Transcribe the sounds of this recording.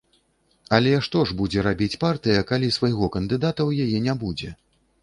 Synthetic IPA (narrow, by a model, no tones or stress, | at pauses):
ɐlʲɛʂt̪ɔʐbud͡zʲɛɾabʲit͡sʲpart̪ɨjɐkalʲisvajɣɔkɐnd̪ɨd̪at̪ɐwjajɛnʲabud͡zʲɛ